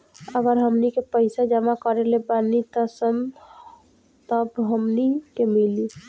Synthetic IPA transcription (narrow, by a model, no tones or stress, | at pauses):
əɡəɾɦəmnikepəɪsad͡ʒəmakəɾelebanit̪əsəm | t̪əbɦəmnikemili